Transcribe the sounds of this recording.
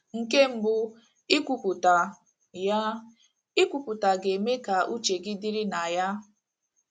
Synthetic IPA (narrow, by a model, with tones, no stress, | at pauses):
ŋ̩˨ke˦m̩˦bʊ˨ | i˦kʷu˨pu˨ta˨ | ja˦ | i˦kʷu˨pu˨ta˨ɡe˨me˦ka˨ʔu˦t͡ʃe˨ɡi˦di˦ɾi˦na˨ja˦